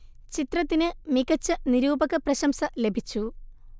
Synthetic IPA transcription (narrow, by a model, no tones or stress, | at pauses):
t͡ɕit̪rɐt̪ːinɨmikɐt͡ɕːɨniɾuːbɐɣɐprɐɕɐmsɐle̞bʱit͡ɕːu